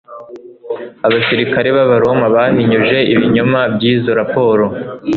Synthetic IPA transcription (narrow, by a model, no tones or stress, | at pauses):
aβasiɾikaɾe̞βaβaɾomaβahiɲuʒe̞iβiɲomabɟiːzo̞ɾapo̞ːɾo